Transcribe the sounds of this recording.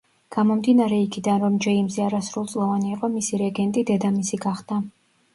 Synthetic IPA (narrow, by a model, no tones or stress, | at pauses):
ɡ̥amɔmd̪inaɾɛikʰid̪anɾɔmd͡ʒɛimzɛaɾasɾulˠt̪sʼlˠɔvaniːqʼɔmisiɾɛɡɛnt̪ʼid̪ɛd̪amisiɡaχd̪a